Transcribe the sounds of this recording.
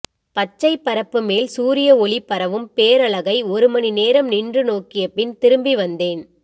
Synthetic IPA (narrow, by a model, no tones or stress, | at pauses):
pɐt͡ʃːɐɪpːɐɾɐpːɯmeːlsuːɾɪjɐɔɭipːɐɾɐʋɯmpeːɾɐɭɐɣɐɪɔɾɯmɐnineːɾɐmnɪndrɯnoːkːɪjɐpːɪnt̪ɪɾɯmbiʋɐnd̪eːn